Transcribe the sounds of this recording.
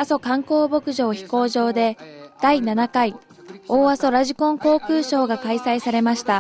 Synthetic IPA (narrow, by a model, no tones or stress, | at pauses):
aso̞kãŋko̞ːbo̞kɯ̟ʑo̞ːçi̥ko̞ːʑo̞ːd̪e̞d̪̥ainanakai | o̞ːβaso̞ɾaʑikõ̞ŋko̞ːkɯ̟ːɕo̞ːɡakaisaisaɾe̞maɕi̥t̪a